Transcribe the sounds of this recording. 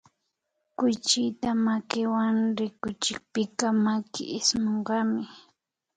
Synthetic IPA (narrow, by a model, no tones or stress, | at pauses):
kʊjt͡ʃɪjt̪amakɪwaŋɾɪkʊt͡ʃɪk̚pɪkamakɪ̰ʔɪsmoɴɢɑmɪ